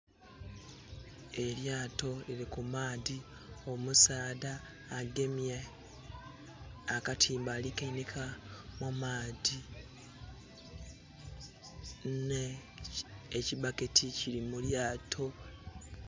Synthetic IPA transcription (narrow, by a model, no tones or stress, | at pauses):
e̞ljaːto̞eɾikumaːði | o̞musaːdaː | ɡe̞mja | katʰiːmbalikainekʰamumaːdi | neː | cibaketʰicilimuljaːtʰo̞